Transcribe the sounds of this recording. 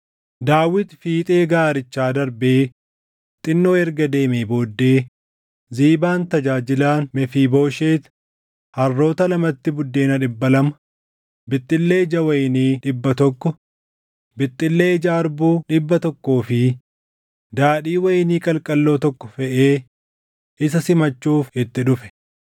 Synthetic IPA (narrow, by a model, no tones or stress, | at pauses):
d̪aːwːɪt̪fiːt̪ʼe̞ːɡaːɾɪt͡ʃːaːd̪ɐɾbeː | t̪ʼɪnːo̞ːɛɾɡɐd̪e̞ːmeːbo̞ːd̪ːe̞ː | ziːbaːnt̪ɐd͡ʒaːd͡ʒɪlaːnmɛfiːbo̞ːʃeːt̪ | hɐrːo̞ːt̪ɐlɐmɐt̪ːɪbʊd̪ːe̞ːnɐᶑɪbːɐlɐmɐ̥ | bɪt̪ʼːɪlːe̞ːɪd͡ʒɐwɐjniːᶑɪbːɐt̪ɔkːɔ | bɪt̪ʼːɪlːeːɪd͡ʒaːɾbuːᶑɪbːɐt̪ɔkːoːfɪ | d̪aːᶑiːwɐjɪniːkʼɐlkʼɐlːo̞ːt̪ɔkːɔ̥fɛʔeː | ʔɪs̬ɐsɪmɐt͡ʃːuːfɪt̪ːɪᶑʊfɛ̥